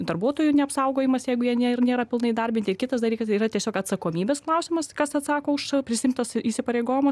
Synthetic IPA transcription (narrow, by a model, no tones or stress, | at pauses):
d̪ɐrbuɔt̪oːjunʲɛɐpsɐʊɡoːjɪmɐsjɛɪɡʊjiɛnʲeɪrnʲeːɾɐpʲɪlˠnɐɪd̪ɐrʲbʲɪntʲɪrkʲɪt̪ɐsd̪ɐlʲiːkɐsiːrɐt̪ʲiɛsʲoːkɐt̪sɐkoːmʲiːbʲeːsklˠɐʊsʲɪmɐskɐsɐt̪sɑːkoːʊʃpʲɾʲɪsʲɪɪmt̪ɐsiːsʲɪpɐɾʲeɪɡoːjɪmɐ